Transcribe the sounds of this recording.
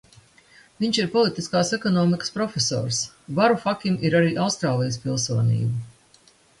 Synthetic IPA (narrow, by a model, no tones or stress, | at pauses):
viɲʲʃiɾpɔlˠit̪iskaːsekɔnɔːmikə̥spɾɔfʲesɔ̰ːɾs | vaɾufakʲimʔiɾaɾiːʔawst̪ɾaːlˠijəspilˠsuɔnḭːbu